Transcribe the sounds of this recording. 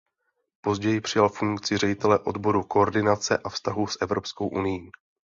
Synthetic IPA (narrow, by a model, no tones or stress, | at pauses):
po̞zɟɛjɪpr̝̥ɪjalfuŋkt͡sɪrɛɟɪt̪ɛlɛʔo̞d̪bo̞ɾuko̞ːɾdɪnat͡sɛ̰ʔafst̪aɦusʔɛvɾo̞psko̞wʔunɪjiː